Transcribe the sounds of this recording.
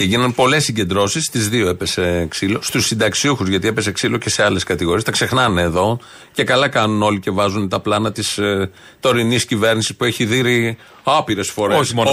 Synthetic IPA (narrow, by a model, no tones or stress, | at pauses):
eʝinɐnpo̞le̞sːiɲɟe̞nd̪ɾo̞sist̪izðio̞epe̞seːksilo̞st̪usːind̪ɐksiuxuzʝɐt̪ie̞pe̞seksilo̞ce̞se̞ɐleskɐt̪iɣo̞ɾiest̪ɐkse̞xnɐneːðo̞ | ce̞kɐlɐkɐnuno̞lice̞vɐzunt̪ɐplɐnɐt̪is | t̪o̞ɾiniscive̞ɾnisispue̞çiðiɾi | ɐpiɾe̞sfo̞ɾeoso